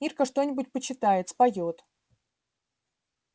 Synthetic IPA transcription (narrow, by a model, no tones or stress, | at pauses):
irkəʂt̪o̞nʲɪbʊt̚ʲpət͡ɕɪt̪ajɪt̪spɐjot̪